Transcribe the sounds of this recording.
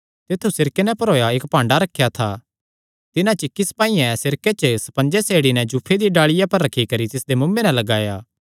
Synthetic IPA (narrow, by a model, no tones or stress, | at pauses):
t̪et̪ʰːusɪɾkenɛpɐɾoːjaeːkpãːɳɖaɾɐkʰːjat̪ʰa | t̪ɪnãt͡ʃɪkːispaːiɛ̃sɪɾket͡ʃəsɐ̥pɐ̃nd͡ʒɛseːɽinɛd͡ʒupʰːed̪iɖaːɭɪjapɐɾːɐkʰːikɐɾit̪ɪsd̪emʊ̃mːenɛlɐɡaːjaː